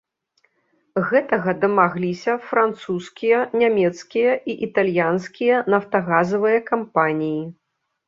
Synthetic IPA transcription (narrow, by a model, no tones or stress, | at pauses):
ɣɛt̪ɐɣɐd̪ɐmaɣlʲisʲɐfɾant̪suskʲijɐnʲamʲɛt̪skʲijɐʔiʔit̪alʲjanskʲijɐnɐft̪ɐɣazɐvɨjɐkampanʲiji